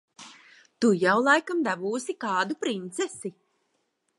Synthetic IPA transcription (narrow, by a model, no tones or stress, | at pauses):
t̪ujawlˠajkamd̪avuːsikaːd̪upɾint̪sɛsi